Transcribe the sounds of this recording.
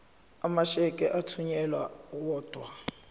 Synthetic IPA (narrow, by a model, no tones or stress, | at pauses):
amaʃɛkʼɛʔatʰuɲɛlwawɔːd̥ʱwa